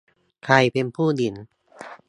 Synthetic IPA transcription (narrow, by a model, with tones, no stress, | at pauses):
kʰa˧jpe˧npʰuː˥˩di˨˩˦n